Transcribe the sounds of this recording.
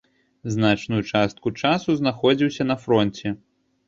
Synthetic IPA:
znat͡ʂnujut͡ʂast̪̚kut͡ʂasuznaxɔd͡zʲiwsʲɐnɐfɾɔnʲt͡sʲɛ

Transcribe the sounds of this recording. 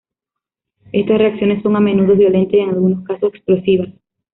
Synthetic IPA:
e̞st̪asre̞aksjo̞nesːo̞ŋamẽ̞nuðoβjo̞le̞nt̪eseŋalɣunoskasoseksplosiβas

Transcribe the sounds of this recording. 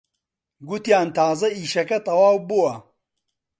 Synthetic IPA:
ɡut̪jaːnt̪ʰaːzɐiːʃɐkɐt̪ɐwaːwbuwɐ

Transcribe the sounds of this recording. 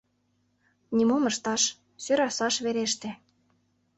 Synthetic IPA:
nʲimomɤ̆ʃt̪ɑʃ | søɾɑsɑʃβeɾeʃt̪ĕ

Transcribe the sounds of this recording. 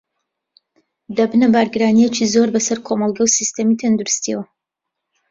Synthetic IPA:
d̪ɐbɨnɐbaːɾɡɨɾaːnijet͡ʃizoɾbɐsɐɾkʰomɑlˠɡɐwsist̪ɐmit̪ʰɐnd̪uɾust̪iɛwɐ

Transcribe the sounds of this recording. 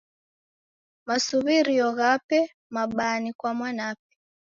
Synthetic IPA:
masuβiɾiɔɣapɛ | maɓanikwamwanap̚ɛ̥

